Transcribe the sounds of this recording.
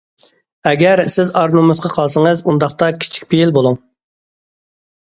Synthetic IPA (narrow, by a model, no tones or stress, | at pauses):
ɛɡʲɛɾsɪzɑɾnumɨzqɑqʰɑlˠsɨŋɨzund̪ɑχt̪ɑkʲʰi̥t͡ʃʰi̥kʲpʰejilbolˠuŋ